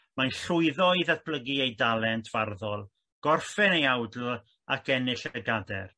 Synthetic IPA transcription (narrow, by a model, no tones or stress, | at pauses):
majnɬʊɨðɔɨðat̚pʰlˠəɡiejdalˠɛntʰv̥arðɔlˠ | ɡ̥ɔrfɛnejawdl̩ | akʰɛnɪɬɛɡadɛ̰r